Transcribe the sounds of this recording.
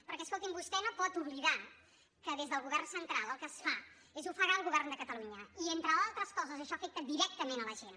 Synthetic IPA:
pəɾkɛəskolˠt̪imbust̪ɛnopɔt̪uβliða | kəðezðəlˠɣuβɛrnsənt̪ɾalˠəlˠkəsfa | ezufəɣaəlˠɣuβɛrnd̪əkət̪əluɲəient̪ɾəalˠt̪ɾəskɔzəzəʃɔfek̚t̪əd̪iɾɛk̚t̪əmenələʒen

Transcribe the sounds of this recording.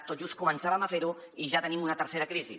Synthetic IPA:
t̪ot̪ʒustkumənsaβəmafeɾu | iʒat̪ənimunət̪əɾseɾəkɾizḭ

